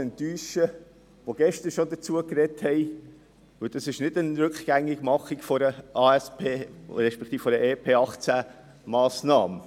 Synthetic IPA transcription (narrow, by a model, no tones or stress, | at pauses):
ənt̪yːʃə | ʋoɡ̥ɛʃtəɾʃod̪ət͡suəkɾɛthɛɪ | ʋɵld̥ɑsɪʃnɪdənɾɵkχɡ̥æŋːɪɡmɑχikfɔɾəʔɑːɛspʰeːɾɛʃpɛkʰt̪iːffɔɾəʔeːpʰeːɑχt͡sæ | mɑːsnɑːmə